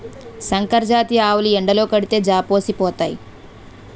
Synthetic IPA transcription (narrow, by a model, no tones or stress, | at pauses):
sɐŋkɐɾd͡ʒaːt̪iaːwuliɛɳɖɐlo̞ːkɐɽit̪e̞ːd͡ʒaːpoːsipɔːt̪aːji